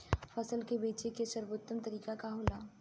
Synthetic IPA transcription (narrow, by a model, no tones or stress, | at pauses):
fʰɐsəlkebeːt͡ʃekeʃɐɾboːt̪ːəmt̪ɐɾiːkakaɦoːlaː